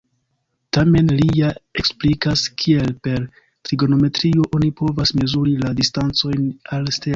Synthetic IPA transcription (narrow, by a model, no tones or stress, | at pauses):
tame̞nlijaeksplikaskʰie̞lpe̞ɾ | tɾiɡo̞no̞me̞tɾio̞ʔo̞nipo̞vasme̞zuɾiladistant͡so̞jnalste